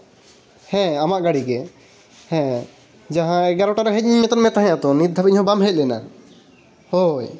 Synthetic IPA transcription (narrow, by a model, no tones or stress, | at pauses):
hɛ̃amaʔɡaɽiɡɛ | hɛ̃ | d͡ʒãɦãɛɡaɾɔʈaɾɔɦɛc̚ɲiɲmɛt̪ɔnmɛt̪aɦãjãt̪ɔnit̪̚ːabɛɲhɔ̃bamɦɛc̚ˀlɛna̰ | hoj